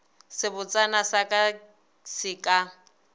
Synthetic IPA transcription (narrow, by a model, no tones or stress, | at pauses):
sɪbʊt͡sʼanasakʼa | sɪkʼa